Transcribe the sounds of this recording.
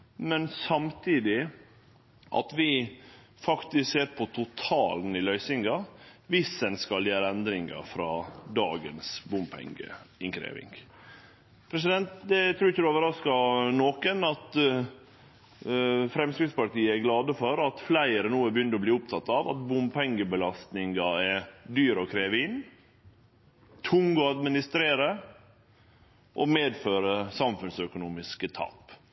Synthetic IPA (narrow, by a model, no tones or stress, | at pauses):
mɛnsɑmt̪ʰiːd̪ɪ | ʔɑ̰t̪ʋɪ | fɑkt̪ɪskseːɾpʰɔt̪ʰʊt̪ʰɑːlnɪlœʏsɪŋɡɑʋɪsɛnskɑljæːɾəɛnd̪ɾɪŋɡɑ̰fɾɑ̰ːd̪ɑ̰ːɡənsbʊmpʰɛ̰ŋɡə̰ɪŋkʰɾḛːʋɪ̰ŋɡ | pʰɾɛs̬ɪd̪ɛnt̪d̪ɛt̪ʰɾuːɾɪçːəd̪ʉoːʋəɾɑskɑnoːkənɑt̪ | fɾɛmskɾɪɡspɑɾʈiːəæɾɡlɑːd̪əfɔɾɑt̪flæɪəɾənuːəbəjʏnːəɾɔbliːʊpt̪ʰɑt̪ːɑʋɑ̰t̪bʊmpʰɛŋɡəbəlɑst̪nɪŋɡɑɛɾd̪yːɾɔkʰɾeːʋɪn | t̪ʰʊŋɔɑd̪mɪnɪst̪ɾeːɾə | ʔɔmeːd̪føːɾəsɑmfʉnsœkʊnuːmɪskət̪ʰɑ̰ːp